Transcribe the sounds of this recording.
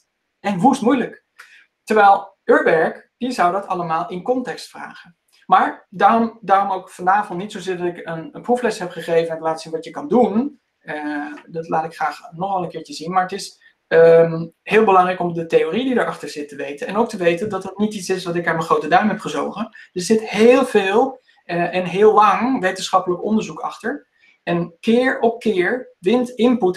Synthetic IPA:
ɛnʋustmujlək | təɹʋɛjlˠ | øːɹbɛɹkd̥izʌwdɑtɑ̰ləmaːlˠɪnkɔntɛkstfra̰ːχən | maːɹdaːrɔmdaːrɔmowkfɑnaːvɔ̃ntnitsowzɪːɹdɑtɪkənəpruflɛsɦɛpχəχejvənɛntlaːtəsinʋɑtjəkɑndun | dɑtlaːtɪkχraːχnɔχɑlˠənkɪːɹt͡ʃəzinmaːɹətɪs | mhɪːlˠbəlɑŋrɛjkɔmdətejoːrididəɹɑχtəɹz̥ɪtəʋejtənɛnowk̚təʋejtəndɑtətnititsɪsʋɑtɪkaːɹmənχrowtədaɹmɦɛpχəzo̰wχəd̥əsz̥ɪtheːlˠvɪːlˠ | ʔɛnɦɪːlˠlːɑŋʋejtənsχɑpələkɔndəɹzukɑ̰χtəɹ | ɛnkɪːɹɔp̚kɪːɹʋɪntɪmput

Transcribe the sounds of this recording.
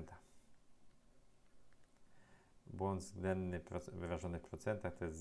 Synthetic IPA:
nt̪a | bwɔnd̪zɡd̪ɛnːɘpɾɔvɘvaʐɔnɘfpɾɔt̪sɛnt̪axt̪ɔjɛst̪z

